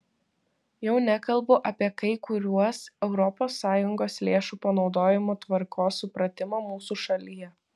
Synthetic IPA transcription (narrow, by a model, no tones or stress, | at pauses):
jɛʊnʲækɐlˠbʊʔɐpʲiɛkɐɪkʊɾʲuɔsɛʊɾɔpoːsːɑːjʊŋɡoːslʲeːʃuːpɐnɒʊd̪oːjɪmot̪ʋɐɾkoːsːʊpɾɐt̪ʲɪmɑmuːsuːʃɐlʲijɛ